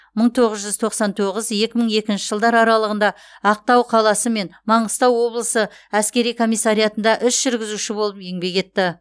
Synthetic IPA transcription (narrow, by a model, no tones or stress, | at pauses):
məɴt̪ʰo̞ʁəzʒʏzt̪ʰo̞qsɑnt̪ʰo̞ʁəzje̞kʲɪməɴe̞kʲɪnʃɪ̥ʒəlˠd̪ɑɾɑɾɑlˠəʁənd̪ɑ | ɑq̚t̪ɑwqʰɑlˠɑsəme̞nmɑɴəst̪ɑwːo̞blˠəsə | æskʲe̞ɾijkʰo̞mijsːaɾijɑt̪ənd̪ɑʔʏsʒ̥ʏɾɡʲɪzuʃɪbo̞lˠəpe̞ŋbe̞ɡe̞t̪ːɪ